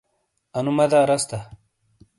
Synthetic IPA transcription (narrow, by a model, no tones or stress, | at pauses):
ɐnumɐd̪aːɾɐst̪a